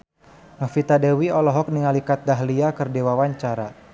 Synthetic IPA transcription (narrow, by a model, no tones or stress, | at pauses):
ŋafit̪adɛwiɔlɔɦɔk̚niŋalikat̪̚daɦliakərdewawaɲt͡ʃaɾa